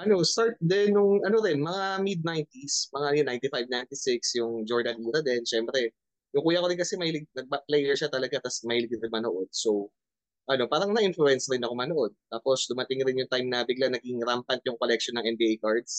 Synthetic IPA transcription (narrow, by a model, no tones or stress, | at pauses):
ʔɐno̞st̪aɹt̪̚d̪ɛnːʊŋʔɐnoɾɪnmɐŋamid̪̚najnt̪ismɐŋajʊnajnt̪ifajvnajnt̪ɪsɪksjʊŋd͡ʒoɹd̪ɐɡiːɾɐd̪ɛnʃɛmpɾɛ | jʊŋkuːjɐkoɾɪnkɐsɛmɐhilɪɡ̚nɐɡ̚paplɛjɛɹʃat̪ɐlɐɡat̪ɐsmɐhiːlɪɡɪɾɪnmɐnoʔo̞d̪̚so̞w | ʔɐno̞paːɾɐŋnɐʔɪnfluɛnsɾɪnɐkomɐnoʔo̞d̪̚t̪aːpo̞sd̪ʊmɐt̪ɪŋɾɪnjʊŋt̪ajmnɐbɪɡlanɐɡɪŋɾampɐnt̪jʊŋkolɛkʃonːɐŋʔɛnbiːʔejkaɹd̪s